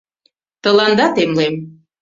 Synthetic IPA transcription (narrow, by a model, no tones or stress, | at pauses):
t̪ə̆lɑnd̪ɑt̪emlem